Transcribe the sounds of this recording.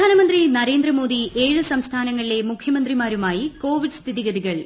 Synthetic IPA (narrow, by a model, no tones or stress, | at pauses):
aːnɐmɐnd̪rinɐɾe̞ːnd̪rɐmo̞ːd̪ieːɻɨsɐmst̪ʰaːnɐŋːɐɭile̞mukʰjɐmɐnd̪rimaːɾumaːjiko̞ːʋiɖɨst̪ʰiðiɣɐðiɣɐɭ